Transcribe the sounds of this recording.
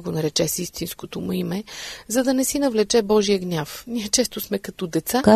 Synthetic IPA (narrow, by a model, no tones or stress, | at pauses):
ɡonɐɾɛt͡ʃɛsist̪inskot̪omuimɛzɐd̪ɐnɛsinɐvlɛt͡ʃɛbɔʒijəɡnʲafniɛt͡ʃɛst̪osmɛkɐt̪ɔd̪ɛt̪saa